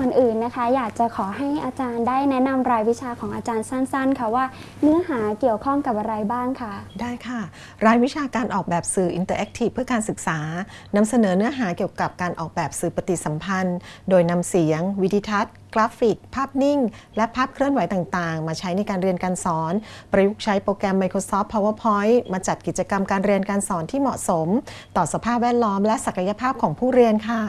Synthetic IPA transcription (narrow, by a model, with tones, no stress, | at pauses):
o˨˩nʔɯː˨˩nːa˦˥kʰa˦˥jaː˨˩k̚t͡ɕa˨˩kʰɔː˩˦ɦa˥˩jʔaː˧t͡ɕaː˧ndaː˥˩jnɛ˦˥na˧mɾaː˧jwi˦˥t͡ɕʰaː˧kʰɔː˩˦ŋʔaː˧t͡ɕaː˧nsa˥˩nsa˥˩nkʰa˥˩waː˥˩ | nɯ˦˥ɐɦaː˩˦ki˨˩əwkʰɔ˥˩ŋka˨˩p̚ʔa˧ɾa˧jbaː˥˩ŋkʰa˥˩daː˥˩jkʰa˥˩ | ɾaː˧jwi˦˥t͡ɕʰaː˧kaː˧nʔɔː˨˩k̚bɛː˨˩p̚sɯː˨˩ʔi˧nt̪ɤː˧ʔɛ˦˥k̚t̪ʰi˨˩pʰɯ˥˩əkaː˧nsɯ˨˩k̚saː˩˦ | na˧msa˧nɤː˩˦nɯ˦˥ɐɦaː˩˦ki˨˩əwka˨˩p̚kaː˧nʔɔː˨˩k̚bɛː˨˩p̚sɯː˨˩pa˧t̪i˨˩sa˩˦mpʰa˧ndoː˧jna˧msi˩˦əŋwi˦˥dʰiː˧t̪ʰa˦˥t̪̚klaː˦˥fi˨˩k̚pʰːaː˥˩p̚ni˥˩ŋlɛ˦˥pʰaː˥˩p̚kʰɾɯ˥˩ənwa˩˦jt̪aː˨˩ŋt̪aː˨˩ŋmaː˧t͡ɕʰa˦˥jna˧jkaː˧nɾi˧ənkaː˧nsɔː˩˦npɾa˧ju˦˥k̚t͡ɕʰa˦˥jpɾoː˧kɾɛ˧mːa˧jkʰɾoː˧sɔː˦˥pʰːɔ˧˥waː˥˩pʰɔ˦˥jmaː˧t͡ɕa˨˩t̪̚ki˨˩t̪̚t͡ɕa˧ka˧mkaː˧nɾi˧ənkaː˧nsɔː˩˦nt̪ʰiː˥˩mɔ˨˩ʔso˩˦mt̪ɔː˨˩sa˧pʰaː˥˩p̚wɛː˥˩t̪̚lɔː˦˥mlɛ˦˥sa˨˩ka˧ja˧pʰaː˥˩p̚kʰɔː˩˦ŋpʰuː˥˩ɾi˧ənkʰa˥˩